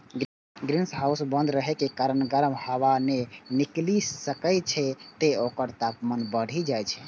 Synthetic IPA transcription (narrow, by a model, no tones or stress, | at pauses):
ɡɾinsɦausbə̃nd̪ɾəɦekekaɾənɡəɾmhəwaneniklisəkəjt͡ʃʰɛt̪eokəɾt̪apmənbəɽ̤ʱid͡ʒajt͡ʃʰɛ